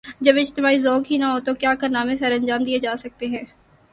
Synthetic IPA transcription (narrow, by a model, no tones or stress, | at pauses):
d͡ʒɐbɪd͡ʒt̪ɪmaːizɔːkɦinɐɦot̪okjaːkɐɾnaːmẽsɐɾɐ̃nd͡ʒaːmd̪ied͡ʒaːsɐk̚t̪eɦɛ̃ː